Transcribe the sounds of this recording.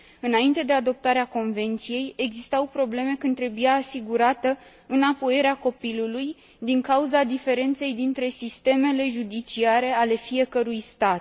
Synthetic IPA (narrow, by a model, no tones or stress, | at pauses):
ɨnaint̪e̞d̪e̞ad̪o̞p̚t̪aɾeako̞nve̞nt̪sije̞je̞ɡzist̪awpɾo̞ble̞me̞kɨnt̪ɾe̞bujaːsiɡuɾat̪ə | ɨnapo̞jeɾeako̞piluluj | d̪iŋkauzad̪ife̞ɾe̞nt̪se̞jd̪int̪ɾe̞sist̪e̞me̞le̞ʒud̪it͡ʃiaɾe̞ale̞fije̞kəɾujst̪at̪̚